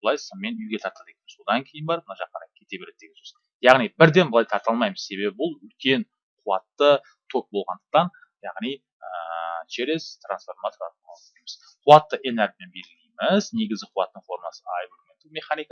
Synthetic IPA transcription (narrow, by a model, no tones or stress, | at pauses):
blˠɑjsəmme̞nʏjɡʲe̞t̪ʰɑɾt̪ɑlˠd̪ekʲenmɪzo̞d̪ɑŋkʲʰe̞jɪnbɑɾmənɑʒɑqːɑnɾɑkʲʰe̞t̪e̞beɾet̪ːeɡʲɪ̥s | jɑʁnijbɪɾd̪e̞nbəlˠɑjt̪ʰɑɾt̪ɑlˠmɑjməzse̞βe̞bɪbʊlˠʏlkʲe̞n | qʰʊwɑt̪ːə | t̪ʰo̞k̚bo̞lˠʁɑnd̪ə̥q̚t̪ɑn | jɑʁnij | ət͡ʃeɾest̪ɾansfo̞ɾmat̪oɾɑɑlˠlejmɪz | qʰuwɑt̪ːəʔeneɾɡʲmenbe̞ɾɪlejmɪzne̞ɡʲɪzɡʲɪqʰʊwɑt̪ːəɴfo̞ɾmɑsəajvoɾument̪ːɪme̞χanijka